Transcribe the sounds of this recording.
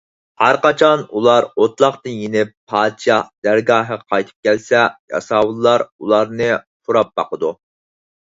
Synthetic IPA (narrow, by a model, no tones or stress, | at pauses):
hæɾqɑt͡ʃʰɑnulˠɑɾot̪ʰlˠɑχt̪ɨnjenɪpʰːɑːd̪t͡ʃʰɑhd̪̥æɾɡɑːɦəqʰɑjt̪ʰɨ̥p̚kʲɛlsɛjɑ̰sɑːwɨlˠːɑɾṵlˠɑɾnɨpʰuɾɑp̚b̥ɑqəd̪u